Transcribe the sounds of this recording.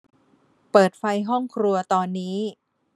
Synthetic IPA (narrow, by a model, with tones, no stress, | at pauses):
pɤː˨˩t̪̚fa˧jɦɔ˥˩ŋkʰɾu˧ɐt̪ɔː˧nːiː˦˥